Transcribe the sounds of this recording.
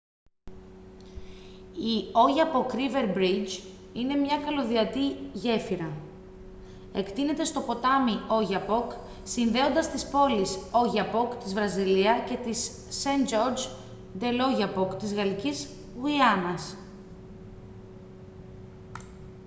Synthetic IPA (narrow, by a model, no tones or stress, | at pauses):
io̞ʝɐpokɾive̞ɾbɾid͡ʒine̞mɲɐkɐlo̞ðiɐt̪iʝe̞fiɾɐ | e̞kt̪ine̞t̪e̞st̪o̞po̞t̪ɐmio̞ʝɐpo̞k | sinðe̞o̞nd̪ɐst̪ispo̞liso̞ʝɐpo̞kt̪izvɾɐziliɐce̞t̪isː | end͡ʒo̞ɾd͡ʒ | d̪e̞lo̞ʝɐpokt̪izɣɐliciz | ɣuiɐnɐs